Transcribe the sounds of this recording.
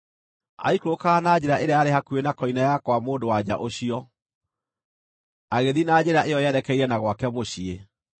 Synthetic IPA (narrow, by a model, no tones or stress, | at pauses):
a̰ikɾokaːnaːd͡ʑeɾaʔeɾeaaɾehakuenakɔinajakwamoːdowad͡ʑa̰ʔoɕiɔ | aɣeðinaːd͡ʑeɾaʔejɔjɛɾɛkɛiɾɛnaɣwakɛmoɕie